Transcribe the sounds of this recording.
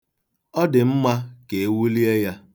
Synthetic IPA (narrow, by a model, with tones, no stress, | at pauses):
ɔ˦dɪ˨m̩˦ma˦ke˨e˦wu˦li˦e˦ja˦